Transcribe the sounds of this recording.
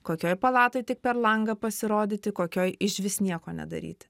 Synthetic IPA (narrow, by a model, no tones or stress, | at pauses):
koːkʲoːjpɐlˠɑːt̪oːjt̪ʲɪk̚pʲɛɾlˠɐŋɡɐpɐsʲɪɾoːd̪ʲɪːt̪ʲɪkoːkʲoːjɪʃʲʋʲɪsnʲiɛkoːnʲɛ̰d̪ɐ̰ɾʲḭːt̪ʲɪ̥